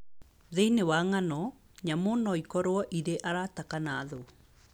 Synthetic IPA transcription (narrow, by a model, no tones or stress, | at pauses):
ðeinewaŋanɔ | ɲamonɔikɔɾwɔʔiɾeʔaɾatakanaːðo